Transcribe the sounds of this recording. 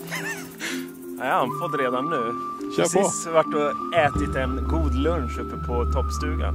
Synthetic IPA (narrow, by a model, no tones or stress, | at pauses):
ahanfɔt̪ːɾeːd̪anːʉ̟ːɕøːsɔɔvaʈːɔɛːt̪ɪt̪ɛnɡuːd̪lɵnʂɵpːəpʰɔt̪ʰɔpːst̪ʉ̟ːɡa̰n